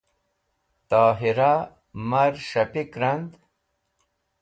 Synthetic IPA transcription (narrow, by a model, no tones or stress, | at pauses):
t̪aːɦiɾa | mɐɾʂɐpikɾɐnd̪